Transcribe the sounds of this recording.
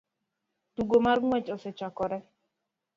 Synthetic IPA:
tuɡomarŋwɛt͡ʃɔsɛt͡ʃakɔɾɛ

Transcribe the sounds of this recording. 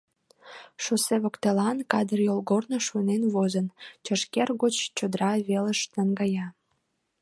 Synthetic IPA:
ʃoseβokt̪elɑnkɑd̪ərjolɣornoʃunenβozənt͡ɕəʃkerɣot͡ɕt͡ɕod̪əɾɑβeləʃt̪əŋɡɑjɑ

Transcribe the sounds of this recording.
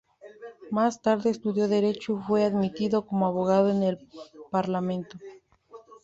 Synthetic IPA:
mast̪aɾðe̞ːst̪uðjo̞ðe̞ɾe̞t͡ʃufwe̞aðmit̪iðo̞komoaβo̞ɣaðoenelpaɾlamẽ̞nt̪o

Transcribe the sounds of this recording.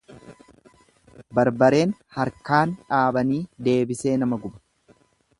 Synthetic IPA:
bɐɾbɐɾe̞ːnhɐɾkaːnᶑaːbɐniːd̪e̞ːbɪse̞ːnɐmɐɡʊbɐ̥

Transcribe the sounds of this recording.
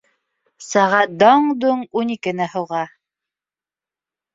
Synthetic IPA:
sæʁæt̪̚d̪ɑɴd̪uɴunikɘ̆nɘhɤ̆wʁɑ

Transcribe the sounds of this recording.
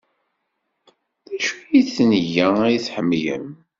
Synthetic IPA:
ðæʃujiθnʝææjθħəmːjə̰m

